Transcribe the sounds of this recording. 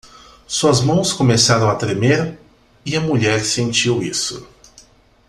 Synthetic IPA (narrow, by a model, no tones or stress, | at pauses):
suɐzmɐ̃w̃skomesaɾɐ̃w̃ɐt̪ɾemeɾ | ɪɐmuʎɛɾsẽnt͡ʃiwisʊ̰